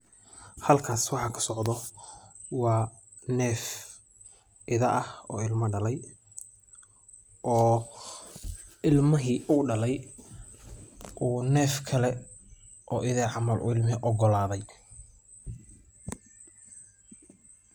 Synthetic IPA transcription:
hɐlkʰaːswɑħɑkʰɐ̥sɔʕd̪ɔ | wɑː | nɛːf | ʔɪðɐʔɐhɔ̰ːɪlmɐɖɐlɛj | ɔː | ɪlmɐɦiːʔʊɖɐlɛj | ʔuːnɛːfkʰɐlɛ | ʔɔːʔɪðɛːʕɑmɐlʔʊ̰ɪlmɛʔɔɡɔlaːðɛj

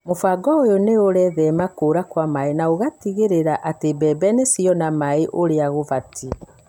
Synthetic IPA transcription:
mofaɡɔojoneoɾɛðɛmakoːɾakwamaenaoɣatiɣeɾeɾaʔatebɛbɛnesiɔnamaeʔoɾeaɣovatʰi

